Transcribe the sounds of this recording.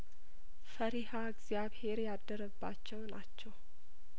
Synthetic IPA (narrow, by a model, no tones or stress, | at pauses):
fəɾihaəɡzjaβhe̞ɾjad̪ːəɾəbːat͡ʃːɛwnat͡ʃːɛw